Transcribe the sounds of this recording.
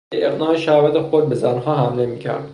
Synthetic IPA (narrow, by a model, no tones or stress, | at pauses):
eʔeɣnɒːheʃævæt̪ʰexoɾ̚bezænɦɒːɦæmlemiːcʰæ̰ɾd̪̥